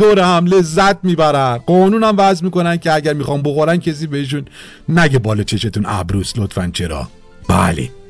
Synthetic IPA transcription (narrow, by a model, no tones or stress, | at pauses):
oːɾehæmle̞zːæt̪̚miːbæɾænɢɒːnuːnæmvæzmiːko̞næncʰeæɟæɾmixɒːmboxoɾæncʰes̬iːbehiʃ̬unː | æɟebɒːlɒt͡ʃʰe̞ʃe̞t̪ʰunæ̰bɾuːslot̪fænt͡ʃʰe̞ɾɒ̰ː | b̥æ̰lḛ